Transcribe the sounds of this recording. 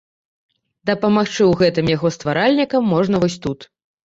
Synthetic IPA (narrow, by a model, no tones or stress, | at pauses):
d̪ɐpɐmaxt͡ʂɨwɣɛt̪ɨmjaɣɔst̪vaɾalʲnʲikɐmːɔʐnɐvɔsʲt̪ut̪